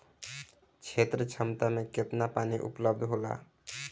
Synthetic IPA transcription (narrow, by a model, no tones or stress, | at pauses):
t͡ʃʰet̪ɾət͡ʃʰəmt̪amẽket̪napaːniʔṵpləbd̪ʱɦola̰